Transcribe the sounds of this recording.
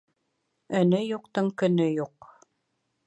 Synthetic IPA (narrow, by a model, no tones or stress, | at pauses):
ɵ̆nɘjuqt̪ɤɴkɵ̆nɵjuq